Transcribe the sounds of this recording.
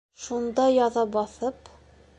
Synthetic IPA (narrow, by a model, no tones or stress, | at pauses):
ʃund̪ɑjɒðɑbɒθɤp